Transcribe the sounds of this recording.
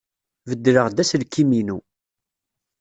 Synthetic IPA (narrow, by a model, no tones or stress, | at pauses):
vəd̪ːɾəʁd̪æslkːiminu